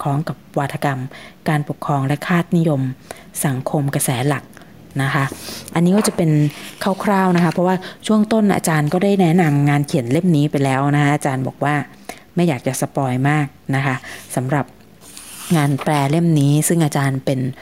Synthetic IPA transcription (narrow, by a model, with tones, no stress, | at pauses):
kʰɔː˦˥ŋka˨˩p̚waː˧t̪ʰːa˧ka˧mkaː˧npo˨˩kʰːɾɔː˧ŋlɛ˦˥kʰaː˥˩t̪̚ni˦˥jo˧m | sa˩˦ŋkʰo˧mka˧sɛː˩˦la˨˩k̚ | na˦˥kʰa˦˥ʔa˧nːiː˦˥kɔː˥˩t͡ɕa˨˩pe˧nkʰaː˥˩wkʰɾaː˥˩wna˦˥kʰa˦˥pʰɔ˦˥waː˥˩t͡ɕʰu˥˩əŋt̪o˥˩nʔa̰ː˧t͡ɕaː˧nkɔː˥˩daː˥˩jnɛ˦˥na˧mŋaː˧nkʰi˨˩˦nle˥˩mniː˦˥pa˧jlɛː˦˥wna˦˥kʰa˦˥ʔaː˧t͡ɕaː˧nbɔː˨˩k̚waː˥˩ | ma˥˩jaː˨˩k̚t͡ɕa˨˩sa˧pɔː˧jmaː˥˩k̚na˦˥kʰa˦˥sa˩˦mɾa˨˩p̚ | ŋaː˧nplɛː˧le˥˩mniː˦˥sɯ˥˩ŋʔaː˧t͡ɕaː˧npe˧n